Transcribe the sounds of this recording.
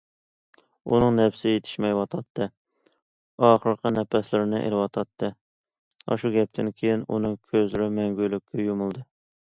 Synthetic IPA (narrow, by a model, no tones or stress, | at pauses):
ṵnɨŋnɛpsɪjet̪ʰɪ̥ʃmɛjwɑt̪ʰɑt̪ʰːɨ | ɑːχəɾqənɛpʰɛslɪɾɪnɨʔḛlɪwɑt̪ʰɑt̪ʰːɨ | ɑ̰ʃuɡʲɛp̚t̪ʰɪnkʲʰejinṵnɨŋkʲʰøzlɾɪmɛŋɡʲylykʲʰːɛjumulˠd̪ɨ